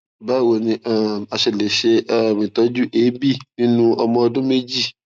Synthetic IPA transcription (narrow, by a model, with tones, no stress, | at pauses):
ba˦˨wo˧nĩ˧a˦˨a˨ʃe˨le˨ʃe˧˦˨mĩ˨t̪ɔ˨˦d͡ʒu˦ʔe˨˦bi˦˨nĩ˦nũ˦ɔ˧mɔ̃˧ɔ˧dʊ̃˦me˦d͡ʒi˦˨